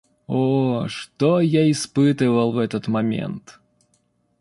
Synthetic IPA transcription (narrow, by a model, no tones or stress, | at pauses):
oʂt̪ojaɪspɨt̪ɨvəlˠvɛt̪ət̪mɐmʲḛnt̪